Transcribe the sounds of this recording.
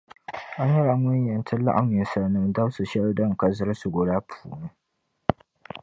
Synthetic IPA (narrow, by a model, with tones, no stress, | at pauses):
ʔa˦ɲjɛ˦ɾa˨ŋʊ˦ɲ˦jɛ˨ntʰɐ˦la˦ʔa˨mi˨sa˨nɨ˦mda˦su˨ʃɛ˦ldɐ˦ŋ˨ka˨zɨ˦ɾsʊ˨ɡo˨ɾaː˦pʰu̥ː˨nu˦